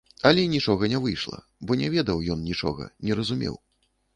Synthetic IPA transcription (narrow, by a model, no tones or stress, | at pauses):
ɐlʲɛinʲit͡ʂɔɣɐnʲɛvɨjʂlˠɐ̰ | bɔnʲɛvʲɛd̪ɐwjɔnnʲit͡ʂɔ̰ɣɐ̰nʲɛɾɐzumʲɛ̰w